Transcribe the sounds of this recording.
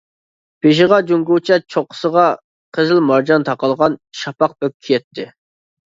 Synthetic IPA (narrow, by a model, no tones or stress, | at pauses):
b̥eʃ̬ɪʁɑd͡ʒuŋɡuwt͡ʃʰɛt͡ʃʰoqːə̥səʁɑ | qʰəzɪlmɑɾd͡ʒɑnt̪ʰɑqɑlˠʁɑnʃɑpɑq̚bøkʲʰːijɛt̪ʰːɪ